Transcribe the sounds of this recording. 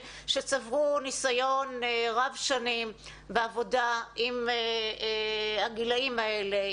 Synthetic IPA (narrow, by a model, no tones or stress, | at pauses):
ʃet͡savʁunisajonʁavʃanim | beavo̞daim | haɡilaimaele